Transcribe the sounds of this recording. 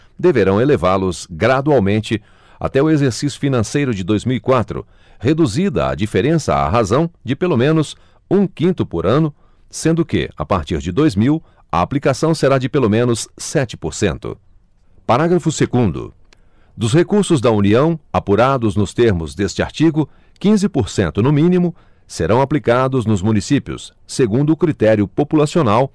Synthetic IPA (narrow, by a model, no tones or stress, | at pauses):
d̪eveɾɐ̃w̃elevaɾlʊzɡɾad̪uawmẽnt͡ʃɪ | a̰t̪ɛʊezeɾsisjʊ̥finɐ̃sejɾʊd͡ʒɪd̪ojzmiwikwat̪ɾʊ̰ | hed̪uzid̪ɐ̰a̰d͡ʒifeɾẽsɐ̰a̰ɦazɐ̃w̃d͡ʒɪpelomẽnʊs | ũkĩnt̪ʊpoɾɐ̃nʊ | sẽnd̪ʊkɪ̰a̰paɾt͡ʃiɾd͡ʒɪd̪ojzmiw | ɐ̰aplikasɐ̃w̃seɾad͡ʒɪpelomẽnʊssɛt͡ʃɪ̥poɾsḛ̃nt̪ʊ̰ | paɾaɡɾɐfʊseɡũnd̪ʊ̰ | d̪ʊshekuɾsʊzd̪ɐuniɐ̃w̃apuɾad̪ʊznʊst̪eɾmʊzd̪est͡ʃɪa̰ɾt͡ʃiɡʊ | kĩzɪpoɾsḛ̃nt̪ʊnʊmĩnimʊ | seɾɐ̃w̃aplikad̪ʊznʊzmũnisipiʊ̰sː | eɡũnd̪ʊːkɾit̪ɛɾjʊpopulasionaw